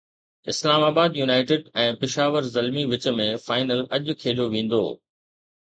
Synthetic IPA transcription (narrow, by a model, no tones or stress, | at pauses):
ɪslaːmaːbaːd̪juːnaːɪʈɪɖɛ̃ːpɪʃaːʋəɾzɐlmiʋɪt͡ɕ̆mẽfaːɪnəlɐʄʊ̆kʰeːɗoʋẽːn̆d̪o̰ː